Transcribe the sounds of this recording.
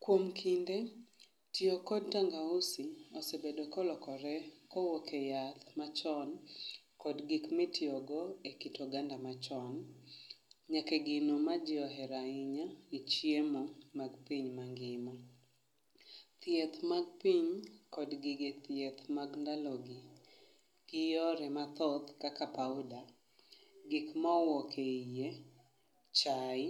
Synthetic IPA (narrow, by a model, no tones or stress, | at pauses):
kwomkʰinde | tiokɔd̚taŋɡausiɔsebedokɔlɔkɔɾɛkɔwokʰejat̪mat͡ʃɔn | kɔdɡikmɪtʰɪɔɡɔekitʰɔɡandamat͡ʃɔn | ɲakeɡɪnomad͡ʒɪɔɦɛɾaiɲait͡ʃiemomaɡpiɲmaŋɡɪmɔ | t̪jɛt̪maɡ̚piɲkɔdɡɪɡet̪jɛt̪maɡndalɔɡi | ɡ̥ɪjɔɾɛmat̪ɔt̪kakapaʊda | ɡikmawɔkʰeije | t͡ʃaɪ